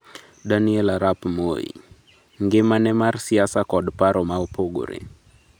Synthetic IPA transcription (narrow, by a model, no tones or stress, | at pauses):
daniɛlaɾapmo̰jḭ | ŋɡɪmanɛmarsiasakɔɗpaɾomaopoɡo̰ɾḛ